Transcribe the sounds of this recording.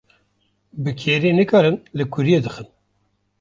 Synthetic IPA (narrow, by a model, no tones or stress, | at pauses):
bɨkʰeːɾinɨkɑːɾɨnlɨkʷʰʊɾijed̪ɨxɨn